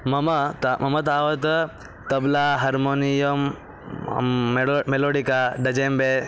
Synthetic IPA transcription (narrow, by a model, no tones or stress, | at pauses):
mɐmɐt̪mɐmɐt̪̬aːʋɐt̪̬ | t̪ɐblaːɦɐɾmoːnijɐm | meloːɽikaɖɐd͡ʒembe